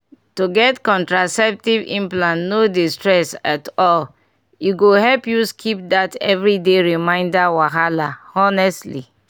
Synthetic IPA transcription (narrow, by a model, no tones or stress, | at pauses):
tuɡɛtkɔ̃ntɹasɛp̚tivḭ̃mplãnnodistɹɛsatɔl | juɡoɦɛlpjuskʰip̚datɛ̰vɹideɹimãɪ̃ndawaɦalaɔnɛstlḭ